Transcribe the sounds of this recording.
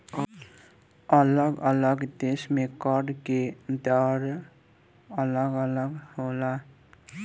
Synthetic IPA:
ələɡələɡd̪esmekəɖked̪əɾ | ələɡələɡhola

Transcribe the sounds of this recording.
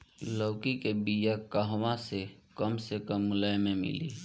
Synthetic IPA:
ləːkikebijakəɦwãsekəmsekəmːʊlajmẽmɪ̰lḭː

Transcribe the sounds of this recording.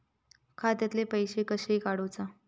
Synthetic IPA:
kʰat̪jat̪lepəjɕekəɕeikaɽot͡sa

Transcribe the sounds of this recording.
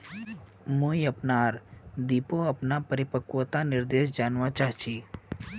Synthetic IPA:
moːiɐpnaːɾd̪iːpoɐpnapəɾɪpəkuwt̪anɪɾd̪eːʃ̬d͡ʒaːnʋat͡ʃaːɦt͡ʃʰiː

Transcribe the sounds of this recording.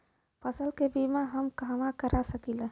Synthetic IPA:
pʰəsəlkebimaɦəmkamakəɾasəkile

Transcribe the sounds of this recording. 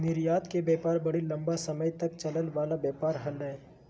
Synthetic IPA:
nɪɾjaːt̪kebɛːpaːɾbɐɽilɐ̃mbasɐməjt̪ɐk̚t͡ʃɐləlʋaːlabjɛːpaːɾɦɐlːəeː

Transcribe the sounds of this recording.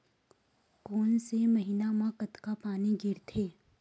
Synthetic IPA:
koːnsemɐɦiːnamãkət̪kapaːniɡʱɪɾt̪ʰeː

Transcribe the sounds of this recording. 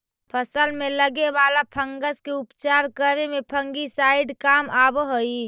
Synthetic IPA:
pʰəsəlmeləɡebalapʰəŋɡəskeupt͡ʃaːɾkəɾemepʰə̃ŋɡisaiɖkamabɦoi

